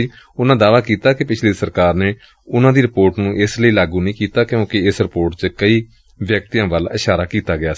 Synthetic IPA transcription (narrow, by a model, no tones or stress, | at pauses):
ʊnãːd̪aːʋaːkiːt̪aːkɪpɪt͡ʃʰliːsəɾkaːɾneː | ʊnãːd̪iːɾɪpoːɾʈnũːʔɪsləiːlaːɡuːnəĩːkiːt̪aːkjõːkɪɪsɾɪpoːɾʈt͡ʃəkəiː | ʋjək̚t̪ijãːʋəlɪʃaːɾaːkiːt̪aːɡɪjaː